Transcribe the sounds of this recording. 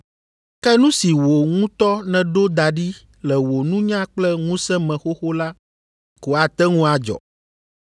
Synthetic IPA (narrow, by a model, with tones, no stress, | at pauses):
kɛ˦nũ˦si˨wo˨ŋũ˦t̪ɔ˦nɛ̃˨ɖo˦d̪a˨ɖi˦ | lɛ˨wo˨nũ˦ɲã˦k͡plɛ˦ŋũ˦sɛ̃˦mɛ̃˨xo˦xo˦la˦ | ko˨a˨t̪ɛ˦ŋũ˦a˨d͡ʒɔ̰˨